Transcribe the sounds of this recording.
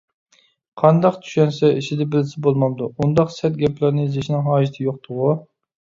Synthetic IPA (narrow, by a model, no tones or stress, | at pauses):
qʰɑnd̪ɑqt̪ʰy̥ʃɛnsɛiʃʰɪd̪ɛbɪlɪsɪbolˠmɑlˠd̪uund̪ɑqsɛt̪̚ɡʲɛpʰlæɾnɪzeʃnɪŋɦɑːd͡ʒit̪ʰɪjoq̚t̪ʰʊʁu